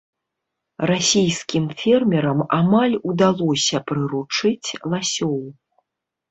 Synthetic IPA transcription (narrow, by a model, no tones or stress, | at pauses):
rasʲijskʲimfʲɛrmʲɛɾɐmamalʲud̪alˠɔsʲɐpɾɨɾut͡ʂɨt͡sʲlˠasʲɔw